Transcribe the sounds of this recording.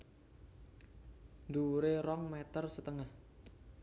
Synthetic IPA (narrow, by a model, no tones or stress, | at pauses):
nd̪uɾeɾɔŋmet̪ərsət̪əŋah